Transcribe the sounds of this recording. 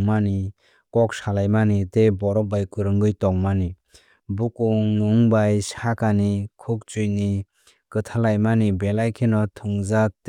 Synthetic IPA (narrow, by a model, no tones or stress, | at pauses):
ŋmani | kɔk̚salajmanitebɔɾɔbajkɯɾɯŋɡɯjtɔŋmani | bukuŋːuŋbajsakanikʰuk̚t͡ʃujni | kɯtʰalajmanibelajkʰenɔtʰuŋzak̚t